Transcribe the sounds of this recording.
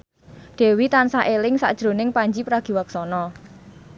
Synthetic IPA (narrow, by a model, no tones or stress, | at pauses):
ɖ̪̥e̤wit̪ansaʔelɪŋsa̰ʔd̥ʒ̥ɾo̤nɪŋpaɲd͡ʒipɾaɡ̥i̤waksɔnɔ